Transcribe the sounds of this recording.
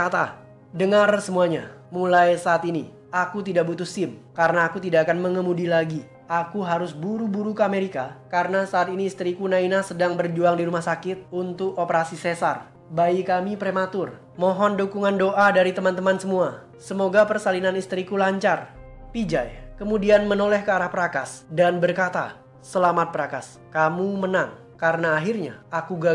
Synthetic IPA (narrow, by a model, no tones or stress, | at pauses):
at̪a | dəŋarsəmuaɲa | mulajsaːt̪ini | akut̪̬idaʔbut̪ʊsɪmkaɾənaːkut̪idaʔakanməŋəmudilaɡi | akuɦaɾʊsbuɾubuɾukəameɾikakaɾənasaːt̪iniːst̪ɾikunainasədaŋbərd͡ʒuaŋdiɾumahsakɪt̪̚unt̪ʊkopəɾasisesar | baikamipɾemat̪ʊr | mɔɦɔndukuŋandoʔadaɾit̪əmant̪əmansəmua | səmoɡapərsalinanist̪ɾikulaɲt͡ʃarpid͡ʒajkəmudianmənolɛhkəaɾahpəɾakasdanbərkat̪a̰ | səlamat̪̚pəɾakas | kamumənaŋ | kaɾənaːɦirɲa̰akuɡa